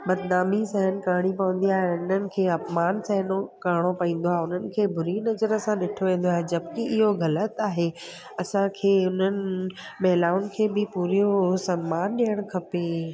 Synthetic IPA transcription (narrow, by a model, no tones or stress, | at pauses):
bɐd̪naːmisɛɦənɪ̆kaːɽ̃ipɐʋə̃n̆d̪iaːɦeʊn̤ənɪ̆kʰeːɐpmaːnsɛɦnokaːɽ̃opɐĩːn̆d̪oaːɦeʊn̤ənɪ̆kʰeːbʱʊɾinɐzəɾə̆sãɗɪʈʰoʋẽːn̆d̪oaːɦed͡ʑɐbkiʔɪɦoɣɐlət̪aːɦe | ɐsãkʰeːʊn̤ənɪ̆ | mɐɦlaːʋʊnɪ̆kʰeːbɪpuːɾijosɐmːaːnɗɪjəɽ̃kʰɐpe